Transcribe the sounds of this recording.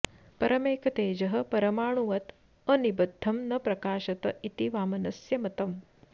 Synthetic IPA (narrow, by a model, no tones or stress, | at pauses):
pɐɾʔɐmeːkɐt̪eːd͡ʒɐɦɐ̆pɐɾɐmaːɳ̃uʋɐt̪ | ɐnibɐd̪ʱːɐmnɐpɾɐkaːʃɐt̪ɐit̪iʋaːmɐnɐsjɐmɐt̪ɐm